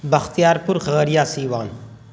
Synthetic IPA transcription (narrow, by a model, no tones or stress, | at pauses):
bɐxt̪ijaːɾpʊɾxɐɣəɾijaːsiːʋãːn